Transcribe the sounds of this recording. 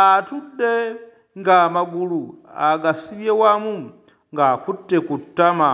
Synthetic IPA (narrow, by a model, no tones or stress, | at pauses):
atudːe | ŋɡamaɡuluaɡasiljewamu | ŋɡakutːekutːama